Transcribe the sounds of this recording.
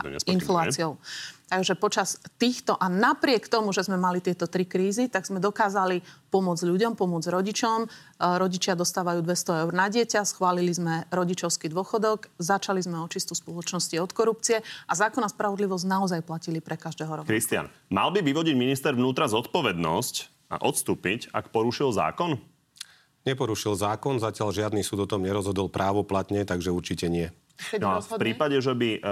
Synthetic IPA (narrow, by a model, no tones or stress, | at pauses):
ɛ̰sinflaːt͡siɔʊt̪aɡʒɛpɔt͡ʃast̪iːxt̪ɔʔanapɾɪɛkt̪ɔmuʒɛzmɛmalit̪ɪɛt̪ɔt̪ɾikɾiːzit̪aɡz̥mɛd̪ɔkaːzalipɔmʊɔd͡zʎuɟɔmpɔmʊɔd͡zɾɔɟit͡ʃɔm | ɾɔɟit͡ʃɪad̪ɔst̪aːʋajuːd̪ʋɛst̪ɔɛʊɾnaɟɪɛcasxʋaːlilizmɛɾɔɟit͡ʃɔʊskiːd̪ʊɔxɔd̪ɔɡzat͡ʃalizmɛɔt͡ʃist̪uspɔlɔt͡ʃnɔsciɔt̪kɔɾup̚t͡siɛʔazaːkɔnaspɾaʋɔd̪liʋɔznaɔzajplacilipɾɛkaʒd̪ɛːɦɔɾɔkɾist̪ɪa̰nma̰lbiʋiʋɔɟiɟminist̪ɛɾʋnuːt̪ɾazɔt̪pɔʋɛd̪nɔ̰sc | a̰ʔɔt̪st̪uːpica̰kpɔɾuʃilza̰ːkɔn | ɲɛpɔɾuʃilzaːkɔnzacɪaʎʒɪad̪nisuːd̪ɔt̪ɔmɲɛɾɔzɦɔd̪ɔlpɾʔaːʋɔplat̪ɲɛt̪aɡʒɛuɾt͡ʃicɛɲɪɛ | npɾiːpaɟɛʒɛbi